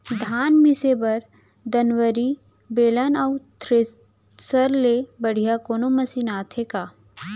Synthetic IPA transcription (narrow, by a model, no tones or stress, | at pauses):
d̪ʱaːnmɪsebɐɾ | d̪ɐnʋəɾi | beːlanɐwt̪ʰɾe | səɾlebɐɽ̤ijakoːnomɐsinaːt̪ʰeka